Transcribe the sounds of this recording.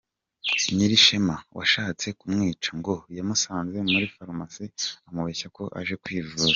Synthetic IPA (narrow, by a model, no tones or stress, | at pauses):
ɲiɾiʃemawʔa̰ʃaːt͡se̞kumŋiːt͡ʃaŋɡo̞jamusaːnze̞muɾifaɾmasiamuβeçako̞ʔa̰ʒe̞kwiːvuza